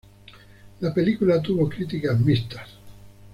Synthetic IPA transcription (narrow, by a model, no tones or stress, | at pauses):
lapelikulat̪̬uβokɾit̪̬ikazmist̪ḁs